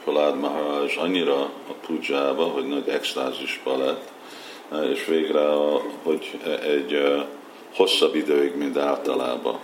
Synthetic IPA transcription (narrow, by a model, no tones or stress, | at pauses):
kolaːd̪maɦːʒɒɲːiɾɒːpud͡ʒaːbɒɦo̞ɟnɒɟɛkst̪aːziʒbɒlɛt̪ː | eːʃʋeːɡrɛho̞ɟɛɟ | ho̞sːɒbːid̪øːiɡmint̪aːlt̪ɒla̰ːbɒ̰